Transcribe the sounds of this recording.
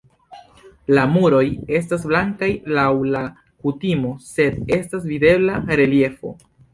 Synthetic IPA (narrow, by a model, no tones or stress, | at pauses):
lamuɾo̞je̞s̬tas̬blaŋkajlawla | kutimo̞se̞de̞stasvide̞blaɾe̞lje̞fo̞̰